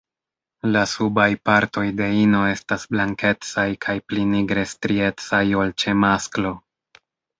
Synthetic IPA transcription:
lasubajpaɾto̞jde̞ino̞e̞stasblaŋke̞t͡sajkʰajpliniɡɾe̞stɾie̞t͡sajo̞lt͡ʃe̞masklo̞

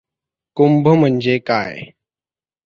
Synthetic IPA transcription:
kʊmbʱəm̤ənd͡ʒeːkaːje

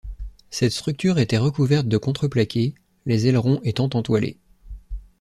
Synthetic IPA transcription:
sɛt̪st̪χyk̚t̪yʁet̪ɛʁəkuvɛʁt̪̚d̪əkɔ̃t̪χəplakʲʰe | lezɛlʁɔ̃ʔet̪ɑ̃t̪ɑ̃t̪walḛ

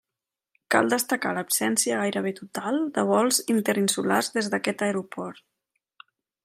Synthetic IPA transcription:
ka̰lˠd̪əst̪əkaləpsɛnsiəɣajɾəβ̞et̪ut̪alˠd̪əβ̞ɔlˠzint̪əɾinsularzðezðəkɛt̪əeɾupɔɾt̪

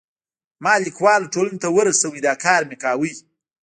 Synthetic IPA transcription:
mɑlikwɑlʈolanot̪awəɾasawid̪ɑkɑɾmekɑwəj

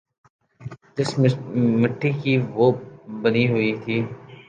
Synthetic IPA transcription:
d͡ʒɪsmɪʈʰːikiʋoːbəniɦʊit̪ʰiː

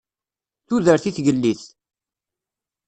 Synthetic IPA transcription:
θuðəɾθiθʝəlːiθ

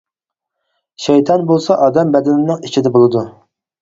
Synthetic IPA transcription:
ʃɛjt̪ʰɑnbolˠsɑʔɑːd̪ɛmbɛd̪ɪnɪnɪŋit͡ʃʰid̪ɛbolˠɨd̪u

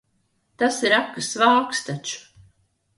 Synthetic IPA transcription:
t̪asiɾakːɨsvaːkst̪at͡ʃu̥

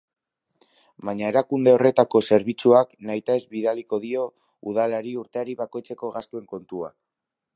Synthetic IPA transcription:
baɲae̞ɾakund̪e̞o̞re̞t̪ako̞se̞ɾβit͡suaknajt̪ae̞zβiðaliko̞ðio̞ | uðalaɾiuɾt̪e̞aɾiβako̞jt͡se̞ko̞ɣast̪ue̞ŋko̞nt̪ua̰

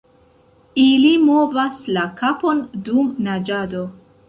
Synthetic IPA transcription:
ilimo̞vaslakapo̞ndumnad͡ʒado̞

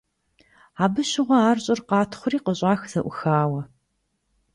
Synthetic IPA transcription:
aːbɨɕɪʁʷɐaːrɕʼɪrqɑːtʰχʷʊriːqəɕʼaːxz̥ɐʔʷʊxaːwɐ

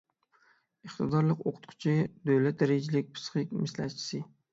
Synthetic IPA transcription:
əχt̪ɨd̪ɑɾlˠəqoqʰʊ̥t̪̚qʰʊ̥t͡ʃʰɪd̪øwlɛt̪̚d̪æɾɪɡʲd͡ʒilɪk̚ʲpʰɨ̥sχɪkʲmɪslæ̰t̪̚t͡ʃʰi̥sɪ

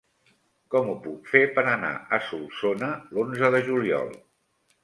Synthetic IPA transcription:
kɔmupukfepəɾəna̰ʔəsulˠsonəlonzəðəʒuliɔ̰lˠ

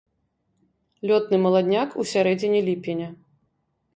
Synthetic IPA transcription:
lʲɔt̪nɨmɐlˠad̪ʲnʲakusʲaɾɛd͡zʲinʲilʲipʲenʲɐ

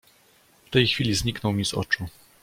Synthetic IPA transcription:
ft̪ɛjxfʲilʲizɲiknɔwmʲizɔ̰t͡ʂu

